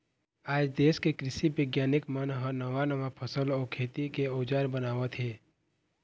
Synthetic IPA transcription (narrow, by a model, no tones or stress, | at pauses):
aːd͡ʒd̪eːskekɾɪsibəɡjaːnɪkmənɦənəʋanəʋapʰəsəlɔːɾkʰeːt̪ikeoːd͡ʒaːɾbənaːʋət̪ɦeː